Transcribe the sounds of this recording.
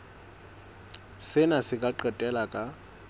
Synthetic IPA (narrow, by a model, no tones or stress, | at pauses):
sɪnasɪkʼaǃɛtʼɛlakʼa